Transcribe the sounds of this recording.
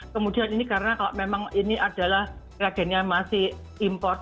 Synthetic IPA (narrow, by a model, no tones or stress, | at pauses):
kəmud̥i̤aninikaɾənakaloʔmemaŋiniʔad̥a̤lahkiaɡ̥ɛ̤nɲamasɪh | impɔrt̪̚